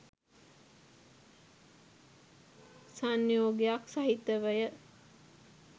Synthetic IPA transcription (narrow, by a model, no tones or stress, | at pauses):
sanːjoːɡejaksaɦit̪ːəʋəjə